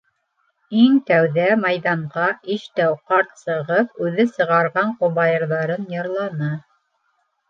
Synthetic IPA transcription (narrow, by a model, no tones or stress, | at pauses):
iŋt̪æwðæmɑjðɑɴʁɑʔiʃt̪æwqɑɾt̪sɤ̆ʁɤpʉðɘsɤ̆ʁɑɾʁɑɴqoβɑjɤ̆ɾðɑɾɤnjɤ̆ɾlˠɑnɤ